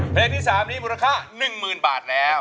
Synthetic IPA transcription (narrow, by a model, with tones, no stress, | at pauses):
pʰleː˧kt̪ʰiː˥˩saː˩˦mniː˦˥muː˧ɾa˧kʰaː˥˩nɯ˨˩ŋmɯː˨˩nbaː˨˩t̪̚lɛː˦˥w